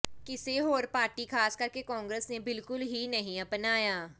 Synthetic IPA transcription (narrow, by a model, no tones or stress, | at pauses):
kɪseɦoːɾpaːɾʈikʰaːskɐɾkekɔ̃ːŋɡɾeːsnebɪlkʊlɦinɐɦĩɐpnaːjaː